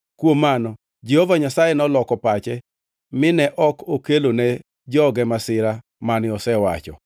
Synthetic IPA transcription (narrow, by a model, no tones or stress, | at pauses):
kwomanɔ | d͡ʒehovaɲasajɛnɔlɔkɔpat͡ʃɛ | mɪnɛʔɔkʰokelonɛ | d͡ʒɔɡɛmasɪɾa | manɪɔsɛwa̰t͡ʃɔ̰